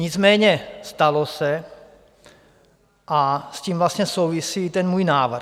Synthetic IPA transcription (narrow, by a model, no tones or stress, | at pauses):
ɲizmɛːɲɛst̪alosɛ | ʔasciːmvlast̪ɲɛsowvisiːt̪ɛnmuːjnaːʋr̩